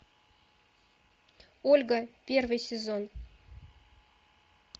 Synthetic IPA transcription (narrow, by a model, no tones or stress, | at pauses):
olʲɡəpʲervɨjsʲɪzon